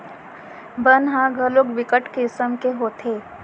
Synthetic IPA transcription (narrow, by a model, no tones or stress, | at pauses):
bənɦãɡʱəloːkʋɪkəʈkesəmkeɦoːt̪ʰeː